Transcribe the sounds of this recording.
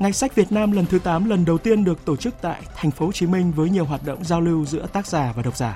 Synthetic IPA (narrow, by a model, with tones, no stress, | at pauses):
ŋa˨˩jsa˦˥k̚vi˨˩ət̚naː˧mlə˨˩nt̪ʰɨ˨˦t̪aː˨˦mlə˨˩nɗə˨˩wt̪i˧ənɗɨ˨˩ək̚t̪o˧˩t͡ɕɨ˦˥k̚t̪a̰ː˧˨jt̪ʰa˨˩jŋ̟fo˨˦ht͡ɕi˨˦mï˧ŋvəː˨˦jɲi˨˩əwɦwaː˨˩t̚ɗo̰˧˨wŋ͡mzaː˧wli˧wzɨ̰˧˥ət̪aː˦˥k̚zaː˨˩vaː˨˩ɗə˨˩k͡p̚zaː˧˩